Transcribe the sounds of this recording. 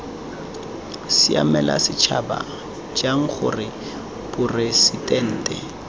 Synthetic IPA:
sɪa̰mɛla̰sɪt͡ʃʰaba̰ | d͡ʒaŋ̩χʊ̰rɪ | b̥ʊresidɛn̩ːtʼɛ

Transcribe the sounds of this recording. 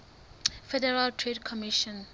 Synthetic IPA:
fɛdɛɹaltʰɹedkʰɔmiʃɔ̃n

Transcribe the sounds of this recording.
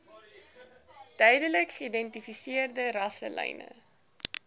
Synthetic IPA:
d̥œjdələkχəidɛntifisiərdəɾɐsə̰lɛ̰jnə̰

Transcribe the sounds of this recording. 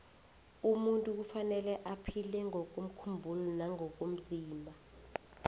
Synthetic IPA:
umuntʼuk̬ufanɛlɛʔapʰilɛŋɔk̬om̩kʰumbʱulunaŋʱɔk̬om̩ziːmbʱa

